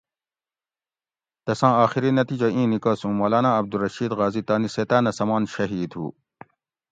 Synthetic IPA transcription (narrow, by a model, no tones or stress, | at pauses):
t̪ɐsãːaːxiɾinɐt̪iːd͡ʑɐʔĩːnikaːsũːmɐːlaːnãːɐb̚d̪uɾɐʃiːd̪ɣaːzit̪aːniseːt̪aːnɐsɐmaːnɕɐɦiːd̪hṵː